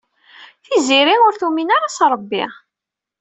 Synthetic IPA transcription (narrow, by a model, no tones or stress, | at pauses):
θiziɾiʊɾθuminaɾasɾˤəbːḭ